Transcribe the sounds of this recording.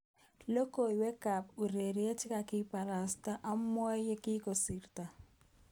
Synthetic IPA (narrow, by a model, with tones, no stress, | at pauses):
lo˦ko˦˨i˨wɛ˦ka˨pu˨ɾe˨ɾi˨˦e˦tɪ˦ka˨kɪ˦pa˨ɾa˨sta˦ʔa˦mɔ˦je˦kɪ˦ko˨si˨rta˨